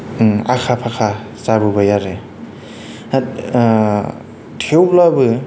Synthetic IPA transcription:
a̰kʰapʰakʰa | saɾubajaɾe | a | tʰewlabɯ

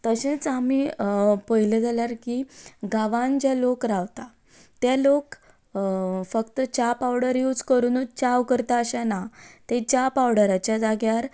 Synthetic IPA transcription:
t̪əɕẽt͡samiːpəjled͡zaljaɾkiɡaʋãnd͡ʑjalokɾaʋt̪a | t̪jalok | fəkt̪ət͡ɕapawɽəɾjuːd͡zkəɾuːnut͡ɕawkəɾt̪aəɕanat̪et͡ɕapawɽəɾat͡ɕjad͡zaɡjaɾ

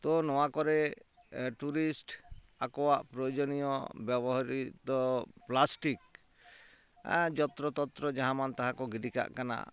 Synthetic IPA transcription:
t̪ɔnɔwakɔɾɛ | ʈuɾisʈ | akɔwa̰ʔpɾɔjod͡ʒɔnijɔ̰bjɛbɔɦaɾit̪ɔplasʈik̚ | a̰d͡ʒɔt̪ɾɔt̪ɔt̪ɾɔd͡ʒaɦamant̪aɦãkɔɡiɖika̰ʔkana̰

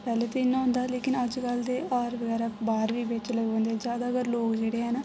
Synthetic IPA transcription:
pɛːleːt̪eːɪnːãːɦʊ̃ːnd̪aːleːkɪnəd͡ʒkəld̪eːʔɔːɾʋəɡɛːɾaːbaːɾʋiːʋɪt͡ʃləɡ̃ːnd̪eːd͡ʒjaːd̪aːəɡəɾloːkd͡ʒeːɽeːɦɛːnaː

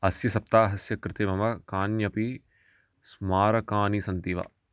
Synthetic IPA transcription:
ɐsjɐsɐp̚t̪aːɦɐsjɐkɾɪt̪eːmɐmɐkaːnjɐpi | smaːɾɐkaːnisɐnt̪iʋɐ̰

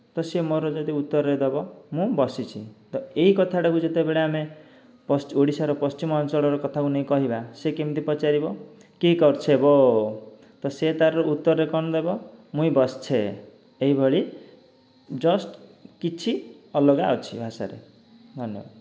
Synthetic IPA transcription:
t̪ʌsemʌɾod͡zʌt̪iut̪ːʌred̪ʌbʌmũbʌsit͡sʰit̪ʌeɦikʌt̪ʰaɽʌkud͡zet̪ebeɭame | pʌsoɽisaɾʌpʌst͡ʃimʌnsʌɽʌɾokʌt̪ʰakunʌj̃kʌɦibasekemit̪ipʌt͡saɾibo | keikʌrt͡sʰebo | t̪ʌset̪aɾout̪ːʌrːekʌnd̪ʌbʌmũj̃bʌst͡sʰe | eibʱʌɭi | d͡zʌsʈkit͡sʰiʌlʌɡawt͡sʰibʱasa̰ɾḛ | d̪ʱʌnːjḛba̰

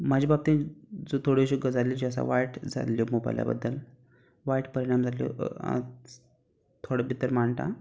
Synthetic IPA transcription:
mad͡ʑibab̚t̪ĩd͡zot̪ʰoɽeɕuɡəd͡zalid͡ʑiəs̬a̰ʋajʈd͡za̰ljomoba̰jlja̰bə̰d̪ːəl | ʋaʈpəɾiɽ̃amd͡zʱaljo̰ | t̪ʰoɽəbʱit̪əɾmaɳt̪a̰

